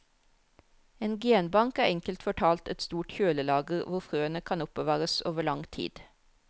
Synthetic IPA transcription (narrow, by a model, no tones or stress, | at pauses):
eːnɡeːnbɑŋkæːɛŋkəlt̪fɔʈʰɑːlt̪ɛt̪st̪uːʈçøːləlɑːɡəʁʋʊʁfʁøːənəkʰɑnʊpəʋɑːʁəso̰ːʋəɭɑŋt̪ʰḭːd̪̥